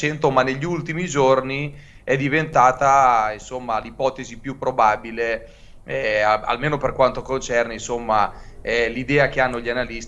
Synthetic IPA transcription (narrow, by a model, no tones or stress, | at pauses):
ent̪omanːeʎːiult̪imid͡ʒorni | ɛd̪ːivent̪aːt̪ainsomːalipɔːt̪ezipjupːɾobaːbile | ɛa̰lmeːnoperkwant̪okont͡ʃɛrneinsomːaɛlid̪ɛːak̟eanːoʎːianalist̪